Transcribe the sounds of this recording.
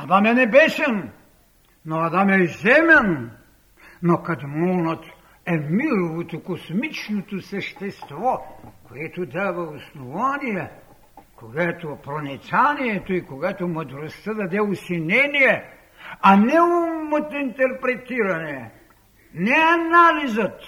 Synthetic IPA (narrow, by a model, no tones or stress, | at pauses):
ad̪amɛnɛbɛsɛn | noad̪amɛzɛmʲɛn | nokad̪monat̪ | ɛmiɾoʋot̪ukosmit͡ʃnot̪osɛʃt̪ɛst̪vokojɛt̪ud̪aʋausnuvanijɛ | koɡaɛt̪opɾonit̪sanijɛt̪oikoɡat̪omod̪ɾost̪ad̪ad̪ɛusinʲɛnijɛ | anɛumot̪int̪ɛɾpɾet̪iɾanɛ | nɛanalizat̪